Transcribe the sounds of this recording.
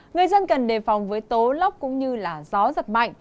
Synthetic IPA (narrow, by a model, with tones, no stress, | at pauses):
ŋɨ˨˩əjzə˧nkə˨˩nɗe˨˩fa˨˩wŋ͡mvəː˨˦jt̪o˨˦la˦˥wk͡p̚kʊ̰˧˥ŋ͡mɲɨ˧laː˨˩zɔ˨˦zə˨˩t̚ma̰˧˨jŋ̟